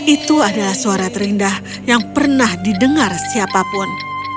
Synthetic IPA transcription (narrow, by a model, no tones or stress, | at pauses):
ʔit̪uadalahsuaɾat̪əɾindah | jaŋpərnahdidəŋarsiapapʊn